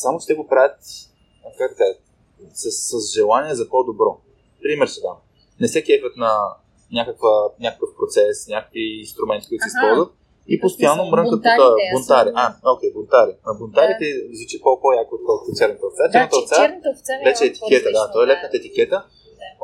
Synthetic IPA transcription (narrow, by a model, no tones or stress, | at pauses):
samot͡ʃɛ̥t̪ɛɡopɾavʲət̪ | kakd̪ɐkaʒə | səsːəzʒɛlˠaniɛzɐpod̪obɾɔ | pɾimɛɾsɛd̪a | nɛsɛkɛtvʲət̪nɐ | nʲakəkvənʲakə̥kəfpɾot̪sɛsnʲakəkviːnst̪ɾʊmɛnt̪kɔjt̪sispɔlˠzvət̪̚ | ipost̪ɐjanːomɾəŋkət̪pot̪ɔbont̪aɾiʔaok̟ɛjbont̪aɾinɐbont̪aɾit̪ɛizlit͡ʃipopojakoot̪̚kɔlˠkʊt̪ot͡ʃɛɾnət̪əot̪sat͡ʃɛɾnət̪ott̪salɛt͡ʃɛːt̪i̥k̟ɛt̪əd̪at̪ɔɛlɛt̪nət̪əɛt̪ikʲɛt̪ə